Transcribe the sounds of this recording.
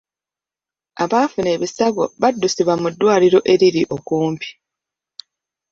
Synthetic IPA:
aβaːfune̞ːβisaɡo̞̰βadːusiβwamudːwaːliɾo̞ʔe̞ɾiɾiʔo̞kuːmpi̥

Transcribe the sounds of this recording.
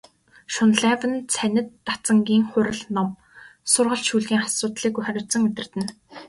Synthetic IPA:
ʃʊnɮævə̆nt͡sʰænʲɘ̆t̪ːat͡sə̆ŋɡʲiːŋχʊɾə̆ɮnɔm | sʊrʁə̆ɮʃuːɮɣiːŋχasʊːt̪ɮiːkujχœɾʲʊːt͡sə̆ŋmet̪ɪ̆r̥t̪ɘ̆n

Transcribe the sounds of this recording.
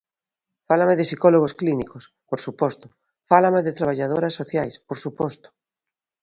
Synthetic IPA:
falamɪðɪsikɔloɣ̞osklinikos | poɾsupɔst̪ʊ | falameðɪt̪ɾaβ̞aʎaðoɾasːoθjajspoɾsupɔst̪o̥

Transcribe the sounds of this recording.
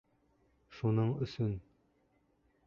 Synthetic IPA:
ʃunɤɴɵ̆sɵn

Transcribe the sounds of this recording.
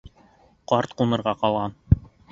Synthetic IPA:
qɑɾt̪qumɤ̆ɾʁɑqɑlˠʁɑn

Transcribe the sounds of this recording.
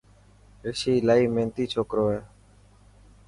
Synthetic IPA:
ɾɪʃiːlaːiːmẽːnt̪iːt͡ʃʰoːkɾoːɦeː

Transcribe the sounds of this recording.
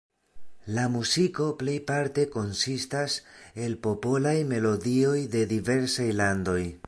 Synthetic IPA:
lamuziko̞ple̞jpaɾte̞ko̞nsistase̞lpo̞po̞lajme̞lo̞dio̞jde̞dive̞ɾsajlando̞j

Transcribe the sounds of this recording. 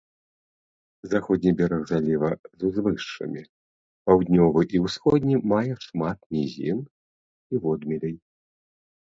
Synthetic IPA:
zaxɔd̪ʲnʲibʲɛɾɐɣzalʲivɐzuzvɨʂːɐ̰mʲi | pawd̪ʲnʲɔvɨʔiwsxɔd̪ʲnʲimajɛʂmat̪̚mʲizʲḭn | ivɔd̪mʲilʲɛj

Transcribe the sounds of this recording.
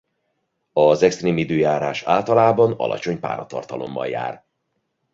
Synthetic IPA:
ɒzɛkst̪reːmid̪øːjaːɾaːʃaːlt̪ɒlaːbɒnɒ̰lʔɒ̰t͡ʃo̞ɲpa̰ːɾɒt̪ɒ̰rt̪ɒlo̞̰mːɒ̰lja̰ːr

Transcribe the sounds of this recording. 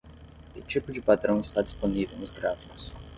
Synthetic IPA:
kɪt͡ʃipʊd͡ʒɪpad̪ɾɐ̃w̃ɪst̪ad͡ʒi̥sponivḛwnʊzɡɾafiʊs

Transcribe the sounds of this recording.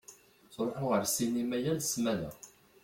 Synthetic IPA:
sˤɾˤħoʁəɾsinimæjænsmænæ̰

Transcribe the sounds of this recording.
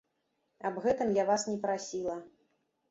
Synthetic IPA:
ɐbɣɛt̪ɨmjavasnʲɛpɾasʲilˠɐ

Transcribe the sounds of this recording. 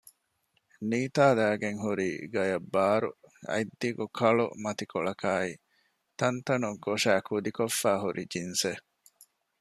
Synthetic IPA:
niːt̪aːd̪æːɡeŋɦuɾiːɡɐjɐbːaːɾṵɐ̰jd̪ːiɡukʰɐɭṵmɐt̪ikoɭɐkʰaːi | t̪ɐnt̪ɐnuɡoʂæːkud̪ikofːæːɦuɾʔid͡ʒinse

